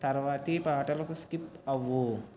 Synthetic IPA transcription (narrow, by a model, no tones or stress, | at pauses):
t̪ɐɾʋaːt̪ipaːʈɐlɐkuskipɐʋu